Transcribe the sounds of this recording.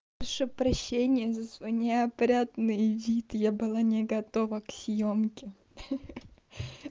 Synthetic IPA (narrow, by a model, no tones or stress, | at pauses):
ɐʂɨpɾɐɕːenʲɪjəzəsvɐjnʲɪɐpɾʲat̪nɨjvʲit̪jabɨlˠanʲɪɡɐt̪ovəksʲjomkʲɪ